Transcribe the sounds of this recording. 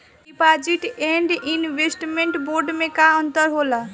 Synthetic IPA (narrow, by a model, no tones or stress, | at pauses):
ipad͡ʒiʈeɳɖinʋesʈmẽɳʈboɾɖmẽkaənt̪əɾɦola